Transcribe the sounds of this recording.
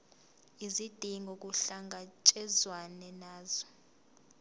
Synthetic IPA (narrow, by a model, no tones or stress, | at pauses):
izid̥ʱiŋɡʱɔk̬ʼuɬaŋɡʱat͡ʃʼɛzwanɛnaːzɔ